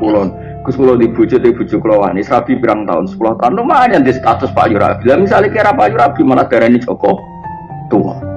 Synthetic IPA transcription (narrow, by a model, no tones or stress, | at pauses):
kulɔn | kuskulɔnd̪ib̥ṳ̥d͡ʒ̥ʊt̪eb̥ṳ̥d͡ʒ̥ʊkulɔwa̰nisɾab̥i̤piɾaŋt̪a̰ʊ̰nsə̥pulɔht̪aʊnd̪ʊmaɲand̪ist̪at̪ʊspa̰ʔjuɾa̰b̥ilamis̬alikeɾapaʔjuɾab̥imanad̪̥aɾɛnit͡ʃɔkɔ | t̪uɔ̰